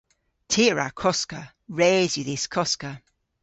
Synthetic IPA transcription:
tʰiːɹa̰kʰɔskə | ɹeːzjəðɪskʰɔskə

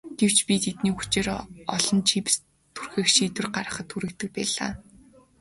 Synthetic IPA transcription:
ɡ̥ew̥t͡ɕpʲit̪ʰet̪niːxu̥t͡ɕĕːɾɔ̰ɮɞ̆nt͡ɕʰips | t̪ʰurxɘ̆xʃiːt̪wɘ̆rɢaɾə̆χə̆t̪xuɾɘ̆k̚t̪ɘ̆k̚pæːɮa̰ː

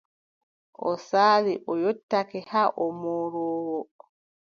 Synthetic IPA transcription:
ʔɔsaːliʔɔjotːakɛhaʔɔmoːɾɔːwɔ

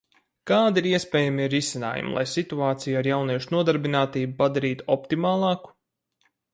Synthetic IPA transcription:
kaːd̪iɾiɛspɛːjamiɾisina̰ːjṵm̰lˠa̰jsit̪uaːt̪sijaɾjawniɛʃunuɔd̪aɾbinaːt̪iːbupad̪aɾiːt̪u̥ɔpt̪imaːlˠɑːku̥

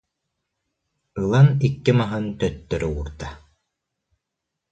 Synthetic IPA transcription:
ɯlˠanikːimaɦɯnt̪œt̪ːœɾuːɾt̪a

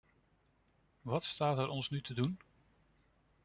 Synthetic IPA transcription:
ʋɑtstaːtɛɾʔɔnsnytədun

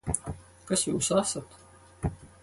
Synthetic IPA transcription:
kɑsjusɑːsɑt̪

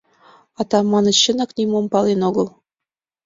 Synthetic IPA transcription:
ɑt̪ɑmːɑnɤ̆t͡ɕə̆nɑ̆knʲimompɑlenoɣɤ̆lˠ

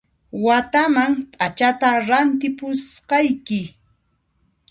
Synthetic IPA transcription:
wat̪amaŋt̪ʼat͡ʃat̪aɾant̪ɪpʊsɢɑjkɪ

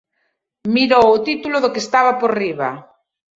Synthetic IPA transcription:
miɾowʊt̪it̪ulʊðokest̪aβapoɾriβa

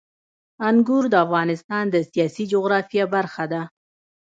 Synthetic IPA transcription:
aŋɡuɾd̪əafɣɑnɪst̪ɑnd̪əsijɑsid͡ʒʊɣɾɑfjɑbaɾxad̪a

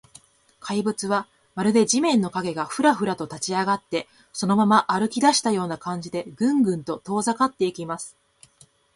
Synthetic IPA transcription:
kʰaibɯ̟t͡sɨβa | maɾɯ̟d̪e̞d͡ʑimẽ̞nːo̞kaɡe̞ɡaɸɯ̟ɾaɸɯ̟ɾat̪o̞t̪at͡ɕiaɡat̪ːe̞ | so̞no̞mamaʔːɾɯ̟kʲid̪aɕi̥t̪ajo̞ːnakãɲ̟d͡ʑid̪e̞ɡɯ̟̃ŋɡɯ̟̃nt̪o̞t̪o̞ːzakat̪ːe̞ikʲimasɨ̥

